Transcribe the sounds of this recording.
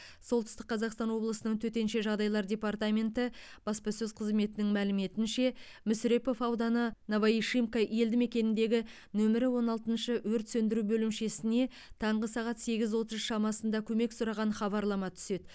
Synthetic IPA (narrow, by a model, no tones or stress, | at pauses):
so̞lˠt̪əst̪ə̥qːʰɑzɑqst̪ɑnwo̞blˠəsənəɴt̪ʰɵt̪e̞nʃe̞ʒɑʁd̪ɑjlˠɑɾdʲe̞pɑrt̪amʲe̞nt̪ɪb̥ɑspɑsɵzqʰəzme̞t̪ɪnɪŋmælɪme̞t̪ɪnʃe̞ | mʏsɾe̞po̞fɑwd̪ɑnənovɑiʃimkaʔje̞ld̪ɪme̞kʲe̞nɪnd̪e̞ɡʲɪ | nɵmɪɾɪwo̞nɑlˠt̪ənʃəwɵɾt̪sɵnd̪ɪɾubɵlɪmʃe̞sɪne̞ | t̪ʰɑɴʁəsɑʁɑt̪se̞ɡʲɪzwo̞t̪əzʃɑmɑsənd̪ɑkʲʰɵme̞ksʊɾɑʁɑnχɑbɑɾlˠɑmɑt̪ʰʏ̥se̞d̪